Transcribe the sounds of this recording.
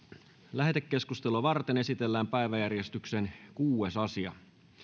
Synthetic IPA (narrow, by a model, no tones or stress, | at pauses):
læɦet̪ekːe̞skust̪eloʋɑrt̪ene̞sit̪e̞lːæːmpæiʋæjærjest̪ykse̞nkuːesɑsiɑ̰